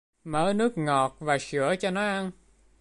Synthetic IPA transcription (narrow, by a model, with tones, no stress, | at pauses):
məː˧˦nɨ˦˥ək̚ŋɔ˨˩t̚vaː˨˩sɨ˧˩ət͡ɕɔ˧nɔ˨˦jʔa˧n